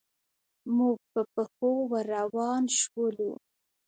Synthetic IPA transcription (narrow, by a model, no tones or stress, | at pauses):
muɡ̚pəpəxowaɾawɑnʃwəlṵ